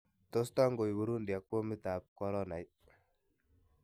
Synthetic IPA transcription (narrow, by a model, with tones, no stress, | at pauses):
to˦sta˦ŋɡo˨jwu˦ɾu˦ndi˨ja˨kːo˦mi˦ta˨p̚kɔ˦ɾɔ˦na˨j